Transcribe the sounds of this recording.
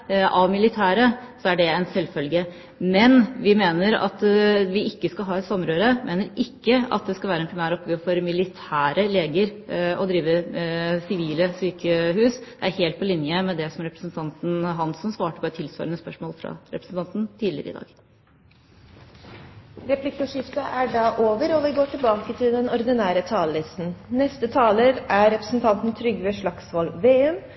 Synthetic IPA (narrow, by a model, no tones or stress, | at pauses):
ʔɑʋmɪlɪt̪ʰæːɾəsɔæɖɛɛnsɛlfœlɡə | mɛnʋɪmeːnəɾɑ̰t̪ʋɪɪkːəskɑlɦɑːɛt̪sɑmːɾøːɾəmeːnəɾɪkːəɑ̰t̪̚d̪ɛskɑlʋæːɾəɛnpʰɾɪmæːɾɔpɡøːfɔɾmɪlɪt̪ʰæːɾəleːɡəɾɔd̪ɾiːʋəsɪʋiːləsyːkəhʉːsd̪̥ɛæɾheːlt̪̚pʰɔlɪnjəmɛd̪ɛsɔmɾɛpɾəsnt̪ʰɑnt̪n̩ɦɑnsːɔmsʋɑːʈəpɔɛt̪ʰːɪlsʋɑ̰ːɾənəspœʂmoːlfɾɑ̰ɾɛ̰pɾəsn̩t̪ɑnt̪n̩t̪ʰiːd̪lɪ̰ɾə̰ɪ̰d̪ɑ̰ːɡ̥ | ɾɛplɪkːʊʂɪft̪əʔæɖɑːʔoːʋəɾɔʋɪɡoːʈʰɪlbɑːkət̪ʰɪld̪ɛnɔɾd̪ɪnæːɾət̪ʰɑːləsn̩nɛst̪ət̪ʰɑːləɾæɾɛpɾəsn̩t̪ʰɑnt̪nt̪ʰɾʏɡʋɛʂɭɑksʋɑːlʋeːɛm